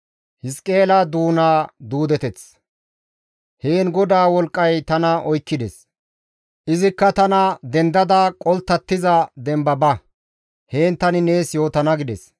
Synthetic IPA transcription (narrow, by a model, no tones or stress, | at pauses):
hɪskʼe̞ːlɐd̪uːnaːd̪uːd̪ɛt̪ɛt͡s | heːnɡɔd̪aːwɔlkʼːɐjt̪ɐnɐʔɔjkːɪd̪ɛs | ʔɪzɪkːɐt̪ɐnɐd̪ɛnd̪ɐd̪ɐkʼɔlt̪ːɐt̪ːɪzɐd̪ɛmbɐbɐ | he̞ːnt̪ɐnɪne̞ːsjo̞ːt̪ɐnɐɡɪd̪ɛs